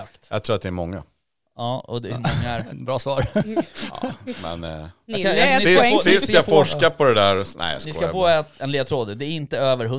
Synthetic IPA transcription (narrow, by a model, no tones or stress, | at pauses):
t̪ja̰ɡt̪ʰɾuːat̪d̪ɛɛmɔŋːa̰ | ɑːɔ̰d̪ɛmɔŋːaɾbɾɑːsvɑːɾ̰ | mɛ̰n | sɪssɪsjafɔʂkapʰɔd̪ɛd̪æːɾnɛ̰ɪja̰sknɪskafoːɛt̪ɛnleːd̪t̪ʰɾoːd̪əd̪ɛːɾɪnt̪əøːvəɾɦɵ